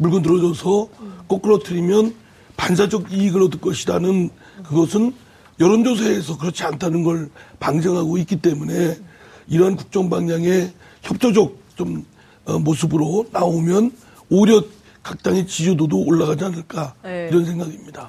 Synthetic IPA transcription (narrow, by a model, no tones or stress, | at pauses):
muɭɡɯntɯɾʌd͡ʑʌsʰʌk͈ok͈ɯɾʌtʰɯɾimjʌn | pansʰad͡ʑʌɡiiɡɯɾʌdɯk͈ʌɕʰidanɯn | kɯɡʌsʰɯn | jʌɾond͡ʑos̬ʰaːsʰʌkɯɾʌt͡ɕʰiantʰanɯnɡʌɭpaŋd͡ʑʌŋɦaɡoik͈it͈e̞mune̞iɾʌɦankuk̚t͡ɕ͈ʌŋbaŋɲaŋe̞ | çjʌp̚t͡ɕ͈od͡ʑʌk̚t͡ɕ͈om | ʌmosʰɯbɯɾonaomjʌn | oɾjʌt̚ | k͈ak̚t͈aŋe̞t͡ɕid͡ʑudodoːɭːaɣad͡ʑianɯɭk͈aiɾʌnsʰe̞ŋɡaɡimɲida